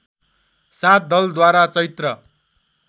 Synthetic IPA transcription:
sat̪̚ʰd̪ʌld̪waɾat͡sʌjt̪rʌ

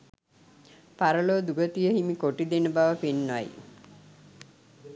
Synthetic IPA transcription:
paɾəloːd̪uɡət̪ijəɦimikoʈid̪enəbaʋəpenːʋa̰j

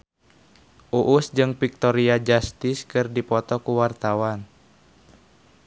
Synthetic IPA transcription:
ʔuʔusd͡ʒɨŋpik̚t̪ɔɾiad͡ʒast̪ɪskɨrdipɔt̪ɔkuwart̪awan

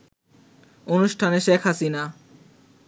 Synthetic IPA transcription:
onuʃʈʰaneʃekʰɦasina

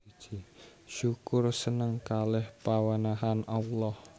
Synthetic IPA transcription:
t͡ʃiʃukʊrsənəŋkalɛhpawanaɦanalɔh

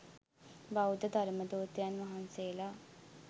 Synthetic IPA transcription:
baud̪əd̪ʱɐɾməd̪oːt̪janʋɐɦanseːlaː

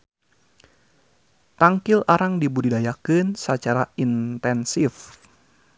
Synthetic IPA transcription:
t̪aŋkɪlaɾaŋdibuɾidajakɨnsət͡ʃaɾaint̪ɛnsif

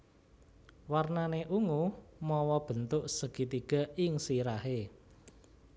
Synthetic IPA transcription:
warnaneʔuŋumɔwɔb̥ə̤nt̪ʊʔsəɡ̥it̪iɡ̥a̤ɪŋsiɾaɦe

